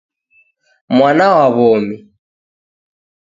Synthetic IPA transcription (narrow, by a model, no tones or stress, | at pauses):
mwanawaβɔmi